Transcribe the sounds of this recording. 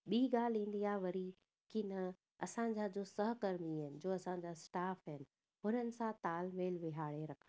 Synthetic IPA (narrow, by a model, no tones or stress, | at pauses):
ɓiːɡaːl̤ĩːn̆d̪iaːʋɐɾi | kinɐ | ɐsãɲ̆d͡ʑaːd͡ʑoːsɐɦkɐɾmiɐɪnɪ̆d͡ʑoːɐsãɲd͡ʑasʈaːfəɦɪnɪ̆ | ɦʊnənɪ̆sãt̪aːlmeːlʋɪɦaːɭeɾɐkʰ